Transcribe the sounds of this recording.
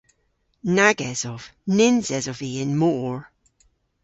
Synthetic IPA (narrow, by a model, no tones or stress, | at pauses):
naɡɛz̥ɔv̥nɪnz̥ɛzɔviɪnmoɹ